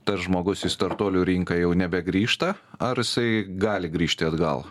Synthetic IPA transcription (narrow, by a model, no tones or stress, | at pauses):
t̪ɐsʒmoːɡʊsɪst̪ɐɾt̪oːlʲuːɾʲiŋkɐjɛʊnʲɛbʲɛɡɾʲiːʃt̪ɐɐɾɪsɐɪɡɑːlʲɪɡɾʲiːʃʲt̪ʲɪɐd̪ɡɐ̰lˠ